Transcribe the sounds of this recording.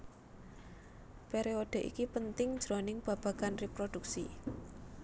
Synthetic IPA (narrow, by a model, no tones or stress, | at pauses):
peɾeod̥e̤ʔḭkipənt̪ɪŋ̥ʒ̥ɾonɪŋb̥ä̤b̥a̤kanrepɾod̥uksḭ